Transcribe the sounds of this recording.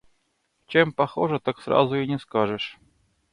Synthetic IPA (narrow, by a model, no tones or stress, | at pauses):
t͡ɕempɐxoʐət̪aksra̰zʊɪnʲɪskaʐəʂ